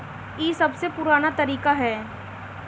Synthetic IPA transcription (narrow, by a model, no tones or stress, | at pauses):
jiːsɐbsepʊɾaːnat̪ɐɾiːkaɦɛː